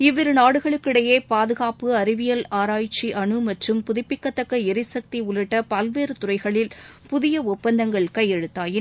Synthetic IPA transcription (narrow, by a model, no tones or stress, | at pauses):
ɪʋɪɾɯnaːɽɯɣɐɭɯkːɪɽɐjeːpaːðɯɣaːpɯɐɾɪʋɪjɐlaːɾaːjt͡ʃːiʔɐɳɯmɐʈrɯmpʊðɪpːɪkːɐt̪ːɐkːɐɛɾɪsɐk̚t̪iʊɭɪʈːɐpɐlʋeːɾɯt̪ʊɾɐɪɣɐɭɪlpʊðɪjɐʊpːɐnd̪ɐŋɡɐɭkɐjːɛɻɯt̪ːaːjɪ